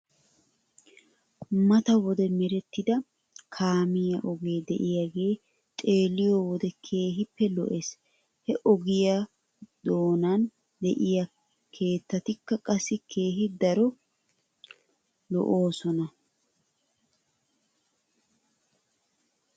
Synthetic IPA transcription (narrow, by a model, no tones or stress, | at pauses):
mɐt̪ɐwɔd̪ɛmɛɾɛt̪ːɪd̪ɐ | kʰaːmɪjɐʔɔɡe̞ːd̪ɛʔɪjaɡe̞ː | t̪ʼe̞ːlːɪjowɔd̪ɛkʰe̞ːɦɪpːɛlɔ̰ʔes | hɛʔɔɡɪja | d̪o̞ːnan | d̪ɛʔɪja | kʰe̞ːt̪ːɐt̪ɪkːɐkʼɐsːɪkʰe̞ːɦɪd̪ɐɾɔ | lɔ̰ʔo̞ːsɔnɐ